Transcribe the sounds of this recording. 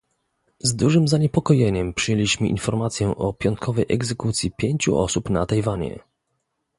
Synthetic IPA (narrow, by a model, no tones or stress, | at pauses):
zd̪uʐɘmzaɲɛpɔkɔjeɲɛmpʂɨjelʲiɕmɘʔḭnfɔɾmat̪sʲjɛʔɔpʲjɔnt̪̚kʰɔvɛjʔɛɡzɛkut̪sʲjipʲjeɲt͡ɕṵʔɔ̰supna̰t̪ajvaɲɛ̰